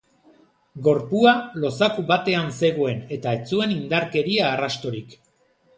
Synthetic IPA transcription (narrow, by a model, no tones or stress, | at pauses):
ɡo̞ɾpualo̞sakuβat̪e̞anse̞ɣoe̞ne̞t̪ae̞t͡sue̞nind̪aɾke̞ɾiaːrast̪o̞ɾik